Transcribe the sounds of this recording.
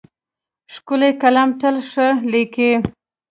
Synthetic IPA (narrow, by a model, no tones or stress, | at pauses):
ʂkulekalamʈ̪əlʂəlike